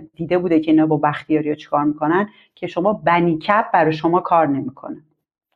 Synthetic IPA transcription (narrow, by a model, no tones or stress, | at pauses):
d̪̥iːd̪e̞buːd̪ecʰe̞iːnɒːbɒːbæxt̪ijɒːɾijɒt͡ʃʰe̥kʰɒːɾmikʰo̞næn | cʰe̞ʃo̞mɒːbæniːcʰæb̚bæɾɒʃo̞mɒːkʰɒːɾne̞mikʰo̞̰ne